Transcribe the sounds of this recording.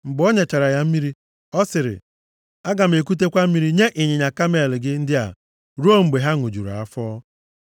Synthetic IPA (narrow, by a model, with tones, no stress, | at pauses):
ŋ͡m̩˨ɡ͡bɔ˦ɲe˨t͡ʃa˨ɾa˨ja˦m̩˦mi˦ɾi˦ | ɔ˦sɪ˨ɾɪ̰˨ | a˦ɡa˨m̩˨e˨ku˦t̬e˦kʷa˦m̩˦mi˦ɾi˦ɲe˦ʔɪ˨ɲɪ˨ɲa˨ka˦m˦e˦˨lɪ˨ɡɪ˦n̩˦dɪ˦a̰˨ | ɾu˦o˦ŋ͡m̩˨ɡ͡be˨ɦa˦ŋʊ˨d͡ʒṵ˨ɾa̰˨a˦fɔː˦